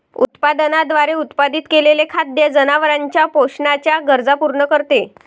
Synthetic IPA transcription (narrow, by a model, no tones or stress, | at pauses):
ṵt̪pad̪ənad̪ʋaɾeut̪pad̪it̪kelelekʰad̪jəd͡zənaʋəɾaɲt͡ɕjapoɕɳat͡ɕjaɡəɾd͡zapuɾɳəkəɾt̪e